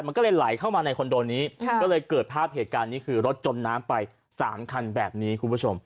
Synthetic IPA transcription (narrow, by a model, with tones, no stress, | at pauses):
ma˧nkɔː˥˩lɤː˧jla˩˦jkʰa˥˩wmaː˧na˧jkʰo˧ndoː˧nːiː˦˥kɔː˥˩lɤː˧jkɤː˨˩t̪̚pʰaː˥˩p̚heː˨˩t̪̚kaː˧nːiː˦˥kʰɯː˧ɾo˦˥t̪̚t͡ɕo˧nːaː˦˥mpa˧j | saː˩˦mkʰa˧nbɛː˨˩p̚niː˦˥kʰu˧pʰu˦˥˩t͡ɕʰo˧m